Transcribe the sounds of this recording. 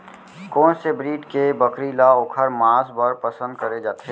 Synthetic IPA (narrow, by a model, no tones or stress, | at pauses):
kɔ̃ːnsebɾiːʈkebəkɾilaʊkʰəɾmãːsbəɾpɐsə̃nd̪̚kəɾed͡ʒaːt̪ɦe